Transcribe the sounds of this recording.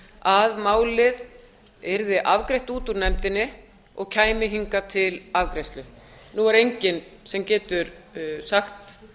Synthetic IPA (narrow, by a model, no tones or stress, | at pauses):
aðmaːwlɪð | ɛɾðɪʔavkɾejht̪uːt̪uɾnɛmt̪ɪnːɪ | ɔɣcʰaːjmɪɦiŋkat̪ʰɪlavkɾejst̪lʏ | nuaɾejɲcɪnsɛmcɛːt̪ʏɾsaxt̪